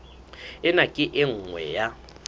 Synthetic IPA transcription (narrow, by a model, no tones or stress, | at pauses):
ɪnakʼɪʔɪŋ̩ŋwɛ̰ja